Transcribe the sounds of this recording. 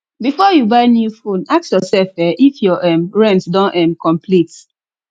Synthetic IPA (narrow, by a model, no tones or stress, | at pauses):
bifɔjubaɪnjufõnak̚sjɔsɛlfɛʔifjɔʔɛ̃mɹɛ̃ntdɔ̃nʔɛ̃mkɔ̃mpʰlit